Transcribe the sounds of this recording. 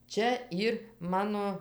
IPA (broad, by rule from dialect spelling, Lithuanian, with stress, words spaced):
ˈt͡ʃʲɛ ˈiːr ˈmɑːnoː